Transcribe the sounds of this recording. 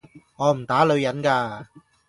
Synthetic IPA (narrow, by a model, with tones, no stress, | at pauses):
ŋɔː˨˧m̩˨˩t̪aː˨˥lɵ˨˧ɥjɐ˨˥nkaː˧